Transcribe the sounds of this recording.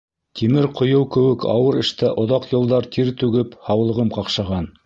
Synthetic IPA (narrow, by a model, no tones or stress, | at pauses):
t̪ʰimɘɾqʰŏjɤwkɘ̆wɘkɑ̰wɤɾɘ̆ʃt̪æʔŏðɑqjŏlˠd̪ɑɾt̪iɾt̪ʉɡɘphɑwlˠɤ̆ʁɤmqɑqʃɑʁɑn